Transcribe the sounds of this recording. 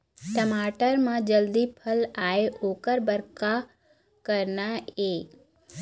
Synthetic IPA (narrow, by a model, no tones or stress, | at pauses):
ʈəmaːʈəɾmãd͡ʒəld̪ipʰəlaːeʔoːkəɾbəɾka | kəɾnaeː